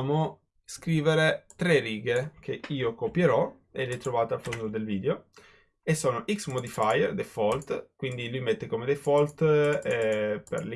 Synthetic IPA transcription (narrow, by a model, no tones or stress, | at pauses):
mo | skɾiːveɾet̪ɾeriɡek̟ʰeiːokopjeɾɔ | elɛt̪ɾovaːt̪afond̪od̪elviːd̪eo | esːoːnoʔiksmod̪ifajerd̪efɔlt̪kwind̪ilujmet̪ːekomed̪efɔlt̪ɛpḛrl